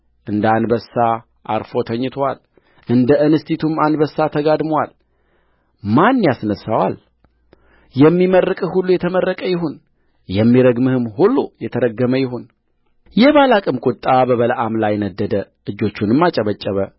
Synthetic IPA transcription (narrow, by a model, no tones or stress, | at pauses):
ʔɨnd̪anbəsːa | ʔaɾfo̞t̪ʰəɲːɪt̪ʰwal | ʔɨnd̪əɨnɨst̪it̪ʰumanbəsːat̪ʰəɡad̪mwal | manːjasnəsːawa̰l | jɛmːimərːɨkʼhulːujɛt̪ʰəmərːəkʼəjɪɦun | jɛmːiɾəɡmɨhɨmhulːujɛt̪ʰəɾəɡːəməjɪɦun | jɛβalakʼɨmkʼʊt̪ʼːabəβələʔamlajnəd̪ːəd̪ə | ɨd͡ʒːo̞t͡ʃːunɨmːat͡ʃʼəβət͡ʃʼːəβə